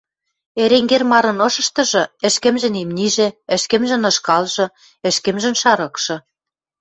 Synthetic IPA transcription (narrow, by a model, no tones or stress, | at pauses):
eɾeŋɡermɑɾɤ̆nɤ̆ʃɤ̆ʃt̪ɤ̆ʒɤ̆ɘ̆ʃkɘ̆mʒɘ̆nimnʲiʒĕɘ̆ʃkɘ̆mʒɘ̆nɤ̆ʃkɑlʒɤ̆ | ɘ̆ʃkɘ̆mʒɘ̆nʃɑɾɤ̆kʃɤ̆